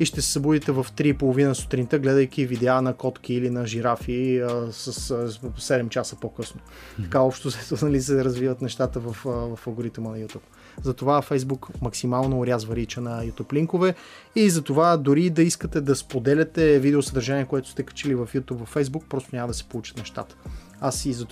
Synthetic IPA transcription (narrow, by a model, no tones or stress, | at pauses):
iʃt̪ɛsɛ̥sɐbud̪it̪ɛvɐft̪ɾipolˠovinəsʊ̥t̪ɾint̪əɡlɛd̪əjk̟ʲivid̪ɛanɐkɔt̪kiːlinɐʒiɾafiəsəssɛd̪ɛmt͡ʃasəpokɤsno | tt̪ɐ̥kaɔpʃt̪ozɛt̪onɐlisɛɾɐzvivət̪nɛʃt̪at̪əvɐfvɐfɐɡoɾit̪ɛmnɐjut̪up | zɐt̪ovafɛjzbukmɐksimalˠnoːɾʲjazvəɾit͡ʃənɐjut̪upliŋkovɛ | izɐt̪ovad̪ʊɾid̪ɐiskət̪ɛd̪ɐspod̪ɛlʲɛt̪ɛvid̪ɛosəd̪əɾʒaniɛkoɛt̪ʊ̥st̪ɛkɐ̥t͡ʃilivɐfjut̪ubvɐfɛjzbuk̚pɾɔst̪onʲaməd̪ɐsɛ̥polˠut͡ʃə̥t̪nɛʃt̪a̰t̪ə̥ | asizɐt̪